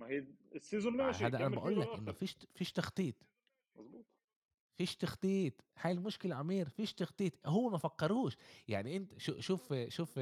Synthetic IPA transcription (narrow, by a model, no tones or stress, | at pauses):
mæhiːsːizolmææd̪ʔænæbæʔuːlːækʔʔɪnːofiːʃfiːʃt̪ɑxt̪ˤiːt̪ˤ | mɑzˤbuːt̪ˤ | fiːʃt̪ɑxt̪ˤiːt̪ˤħaːlmoʃkɪlʕamiːɾfiːʃt̪ɑxt̪ˤiːt̪ˤɦowːæmæfæqːɑɾˤuːʃjaʕniʔɪnt̪æʃuʃuːfʃuːf